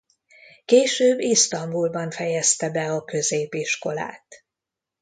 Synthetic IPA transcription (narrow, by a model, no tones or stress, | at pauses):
keːʃøːbːist̪ɒmbulbɒɱfɛjɛst̪ɛbɛɒkø̞zeːpiʃko̞la̰ːt̪